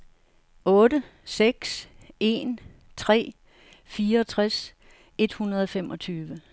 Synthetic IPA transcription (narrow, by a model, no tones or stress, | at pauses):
ɔ̽ːɾə | seɡ̥s | e̝n | t͡sʰʁɛ̰ː | fiːɐɒ̽t͡sʰʁas | e̝d̥hunɐð̞̩ˠɒ̽femʔɒ̽t͡sʰyːʋə